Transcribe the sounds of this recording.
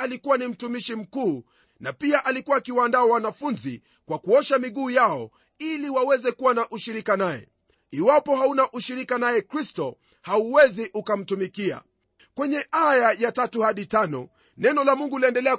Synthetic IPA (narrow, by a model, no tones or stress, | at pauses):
alikuwanim̩tumiʃim̩kuː | napiaʔalikuwakiwandaawanafunzi | kwakuɔʃamiɠuːjaɔ̰ | iliwawɛzɛkuwanaʔuʃiɾikanaɛ̰ | iwapɔhaunaʔuʃiɾikanajɛkɾistɔ | hauwɛziʔukam̩tumikia̰ | kwɛɲɛʔajajatatuhaɗitanɔ̰ | nɛnɔlamuŋɡuliɛndɛlɛa